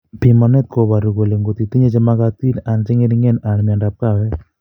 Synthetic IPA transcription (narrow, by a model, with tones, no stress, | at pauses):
pimane˦t̪̚koba˨ɾu˨ko˨le˨ŋɡot̪it̪i˦ɲe˦t͡ʃemakat̪i˦na˨nt͡ʃe˦ŋe˦ɾiŋe˦na˨nmi˨andap̚kawɛ˦